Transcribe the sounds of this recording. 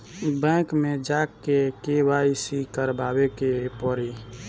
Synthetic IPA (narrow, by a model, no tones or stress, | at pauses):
bɛ̃kmẽd͡ʒaːkːekebaisikəɾbʱaːbekepɔɾi